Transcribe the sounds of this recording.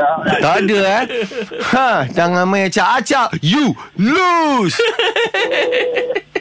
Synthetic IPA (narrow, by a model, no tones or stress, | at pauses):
t̪adəahãdaŋãmãjat͡ʃaʔat͡ʃaʔju | lus